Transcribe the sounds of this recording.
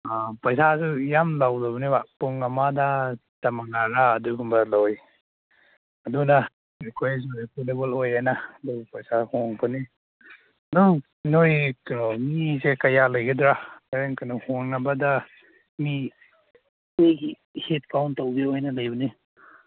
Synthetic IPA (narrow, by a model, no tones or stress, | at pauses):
apɐjsazujamlawdaβɐnibapuŋamadatɐmaŋaɾaːduɡuŋbɐloj | ɐduna | ekʰojzuepolebɔlojanadupɐjsahɔŋbʰɐni | ɐduŋ | nojknomizekɐjalɐjɡedɾakaɾeŋkanuhoŋnɐbɐda | mi | miɡi | het̚kawntawbiojnɐlajbɐni